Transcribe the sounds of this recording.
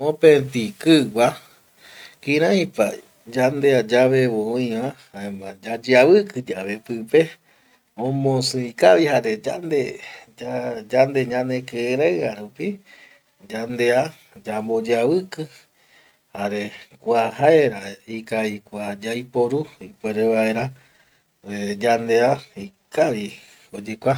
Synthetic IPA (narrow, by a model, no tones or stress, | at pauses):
õpẽt̪ikɨɡʷa | kĩɾãĩpa̰ | d͡ʒand̪ead͡ʒaβeβoõĩβãhaemãd͡ʒad͡ʒiaβɨkɨd͡ʒaβepɨpe | õmõsɨ̃ikaβihaɾed͡ʒa̰nd̪ead͡ʒand̪eɲãnẽkɨɾaɨaɾupi | d͡ʒand̪e̞a | d͡ʒambod͡ʒaβɨkɨ | haɾe̞kʷahaeɾaikaikʷad͡ʒajpoɾuipweɾeβaeɾa | ed͡ʒand̪e̞aikaʋi | od͡ʒekʷa